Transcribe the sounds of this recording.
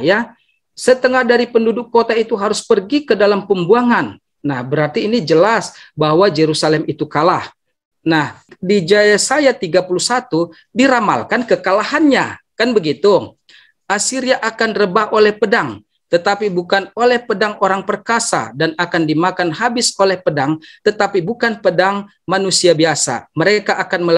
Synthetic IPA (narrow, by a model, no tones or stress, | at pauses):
ja | sət̪əŋahdaɾipəndudʊkːot̪ait̪uɦaɾʊspərɡikədalampəmbuaŋanː | ahbəɾart̪iːnid͡ʒəlasbahwad͡ʒeɾusalɛmit̪ukalah | nahdid͡ʒajasajat̪iɡapuluhsat̪u | diɾama̰lkankəkalahanɲa̰kanbəɡit̪u | ʔasiɾiaʔakanrəbaholɛhpədaŋ | t̪ət̪apibukanolɛhpədaŋoɾaŋpərkasa̰danakandimakanɦabɪsolɛhpədaŋt̪ət̪apibukanpədaŋ | manusiabiasa̰məɾekaʔakanmə